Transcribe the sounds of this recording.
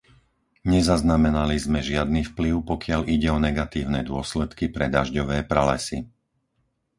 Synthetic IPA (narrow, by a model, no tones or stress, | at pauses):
ɲɛzaznamɛnalizmɛʒɪad̪niːfpliʊpɔkɪaliɟɛɔnɛɡat̪iːʊnɛd̪ʊɔslɛt̪kipɾɛd̪aʒɟɔʋɛːpɾalɛsḭ